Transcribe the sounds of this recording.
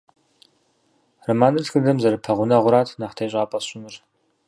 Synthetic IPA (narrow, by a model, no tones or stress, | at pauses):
rɐmaːnɨtxɨdɐmzɐɾɨpʰɐʁʷʊnɐʁʷʊɾaːtʰnaχtʰeːɕʼaːpʼɐɕʼɪmɨr